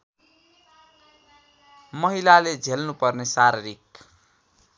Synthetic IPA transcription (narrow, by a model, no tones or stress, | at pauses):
mʌɦilaled͡zʱelnupʌrnesaɾeɾik